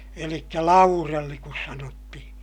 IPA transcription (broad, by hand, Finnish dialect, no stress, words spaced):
elikːæ lɑurelːi kus sɑnotːihĩː